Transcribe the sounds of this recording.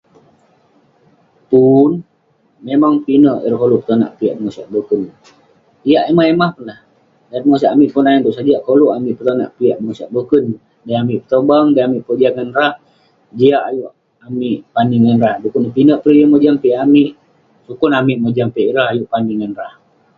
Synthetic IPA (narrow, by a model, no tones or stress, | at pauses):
pun | memaŋpinəʔḭɾahkolupə̥t̪ana̰ʔpiaʔdəŋosiaʔbəkən | ijaʔemaemahpunlah | danəŋos̬aʔamiʔpunaint̪uʔsad͡ʒaʔkoluʔamiʔpət̪ana̰ʔpiaʔməŋosaʔ̚bəkən | dajamiʔpət̪əbaŋdajamiʔpəd͡ʒiaʔŋanɾah | d͡ʒiaʔajuʔ | amiʔpaniŋanrahdukunpinəʔpɾijəmod͡ʒampeamiʔ | sukunamiʔmod͡ʒampiaʔiɾahajuʔpaniŋanrah